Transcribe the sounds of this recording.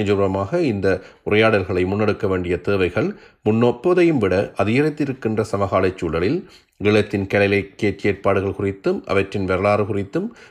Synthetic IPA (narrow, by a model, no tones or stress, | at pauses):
d͡ʒʊɾɐmaːɣɐɪnd̪ɐ | ʊrɐjaːɽɐlɣɐɭɐɪmʊnːɛɽɯkːɐʋeːɳɖɪjɐt̪eːʋɐɪɣɐɭmʊnːoːpːoːðɐjɯmʋɪɽɐʔɐðɪjɐɾɐɪt̪ːɪɾɯkːɪndrɐsɐmɐɣaːlɐt͡ʃːuːlɐɭɪl | ʋɪɭɐt̪ːɪnkɛlɐɪlɐɪkːeːʈːeːrpaːɽɯɣɐɭkʊrɪt̪ːɯmʔɐ̰ʋɐʈrɪnʋɛɾɐɭaːɾɯkʊrɪt̪ːɯm